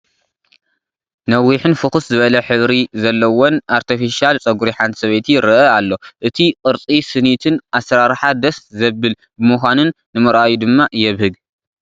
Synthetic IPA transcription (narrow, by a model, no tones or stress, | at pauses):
nɐwːiħɨnfɨxɨszɨβɐlɐħɨβɾizɐlːɐwonʔaɾt̪ʰifiʃialt͡sʼɐɡuɾiħant̪ʰi̥sɐβɐjt̪ʰiɾɨʔɐalːo̞ʔɨt̪ʰiqʼɨɾt͡sʼisɨnit̪ʰɨnʔasɾaɾħad̪ɐszɐbɨl | bɨmuxʷanɨnːɨmɨɾʔajud̪ɨmːajɛβhɨɡ